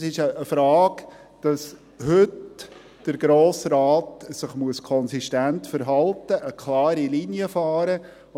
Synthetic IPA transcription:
sɪʃəːfɾɑːɡ | d̥ɑs | hʏt | d̥əɾɡɾoːsɾaːtsɪχmuəskʰɔnsiʃtæntfəɾɦɑltəʔəkʰlɑːɾiliniəfɑːɾə

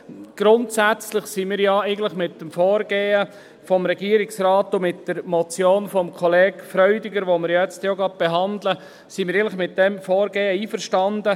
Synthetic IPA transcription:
ɡ̥ɾʊntsæt͡slɪχsimiːɾjɑɛɪɡən̩tləɪχmɪt̚dəmfɔːɾɡ̥eːə | fɔmɾɛɡiəɾɪksɾaːtʊmɪtd̥əɾmɔt͡sjoːnfɔmkʰɔleːɡfɾœʏdɪɡəɾʋomɪɾjɛt͡stjoɡɑb̥eɦɑndlə | simɪɾɛɪn̩lχmɪt̚dɛmfɔːɾɡeːəiːfəɾʃtɑndə

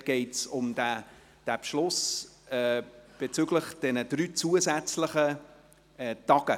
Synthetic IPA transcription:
ɡ̥ɛɪtsʊmdæ | d̥æpʃlʊs | ɛb̥et͡syɡləχd̥ɛnəd̥ɾyːt͡suəzæt͡sləχə | ɛtɑɡ̥ə

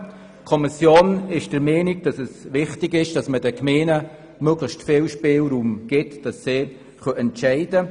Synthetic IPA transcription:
kʰɔmisjoːnɪʃd̥əɾmɛːnɪɡd̥ɑsɛsʋɪχtɪɡɪʃd̥ɑsməd̥ɛkmeːnə | møɡləʃtfɪːlʃpɪːlɾuːmɡ̥ɪtːd̥ɑsːeː | χœʔɛntʃɛɪdə

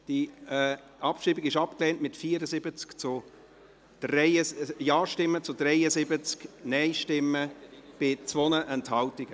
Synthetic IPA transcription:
d̥iɛ | ɑpʃiːbɪɡɪʃɑpklɛːntmɪtfiːəɾəzɪbət͡skt͡sʊ | d̥rɛəjɑːʃtɪmːət͡sʊd̥rɛɪəzɪbət͡sknɛɪʃtɪməb̥ɪt͡svonəʔɛnthɑltɪɡ̥ə

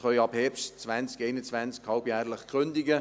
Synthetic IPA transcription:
χœʏɑbhɛpʃtt͡svænt͡skeɪnət͡svænt͡skhɑlbjæːɾləχkʁʏnd̪ɪɡə

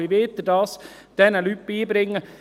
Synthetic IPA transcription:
iʋeːt̪əd̪ɑs | d̪̥ɛnælypːiːbɾɪŋːə

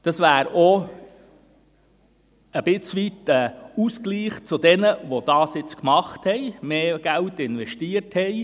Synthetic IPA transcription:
d̥ɑsʋæːɾo | əb̥ɪt͡sʋit̪ɛuskliːχt͡sʊd̪ɛnəʋod̥ɑːsjɪt͡skmɑχthɛɪmeːɡ̥æltɪnʋɛʃtiəɾthɛɪ

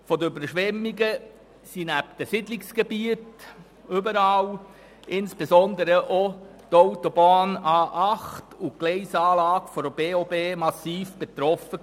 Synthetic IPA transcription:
fɔdəøbəɾʃʋɛmːiɡə | sinæpd̥əsɪdlɪksɡ̥ebiət | øbəɾɑːl | ʔɪnsb̥ezɔnd̪əɾəʔo | toʊtɔbɑːnɑːʔɑχtuɡ̥lɛɪsɑːlɑːɡfɔɾb̥eːobeːmɑsiːfb̥et̪ɾɔfə

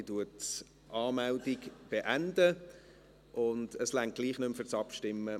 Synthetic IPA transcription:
tuət | ʔɑːmældɪɡb̥eʔændə | ʔʊnd̥əslæŋt̚ɡ̥liːχnʏmfʏɾt͡sɑpʃtɪmːə

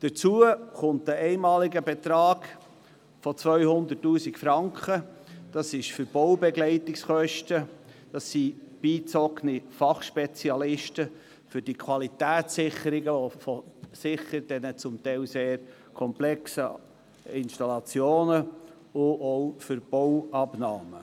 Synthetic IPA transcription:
d̥ət͡suəχʊnt̚dəɛɪmɑːlɪɡəbɛt̪ɾɑːɡ̥ | fɔt͡svœʏhʊnd̪ətːuːsɪkfɾɑŋkχə | d̥ɑsɪʃfʏɾb̥ɔwbɛɡlɛɪtɪksχœʃtəd̥ɑsib̥iːt͡sɔknɪfɑχʃpɛt͡siɑlɪʃtə | fʏɾd̥ikʰwɑlitæːsɪχəɾɪɡəofɔsɪχəɾd̥ɛnət͡sʊmt̪ɛɪlseːɾ | kʰɔmplɛksə | ɪnʃtɑlɑt͡sjoːnə | ʊʔɔwfʏɾb̥ɔwɑbnɑːmə

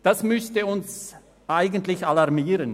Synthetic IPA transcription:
d̥asmʏstəʊns | ʔaɪɡəntlɪçalɑʁmiːɾən

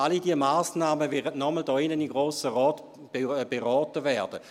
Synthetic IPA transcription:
alidiəmaːsnaːməvɛʁədnɔməldɔːɪnənimɡʁoːsəʁɔːt | b̥eʁɔːtəvɛːɐd̥ə

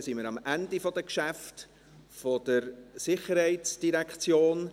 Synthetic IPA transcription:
siməɾɑmʔændifɔd̥əkʃæft | fɔd̥əɾsɪχəɾhɛɪtsd̥iɾɛkχt͡sjoːn

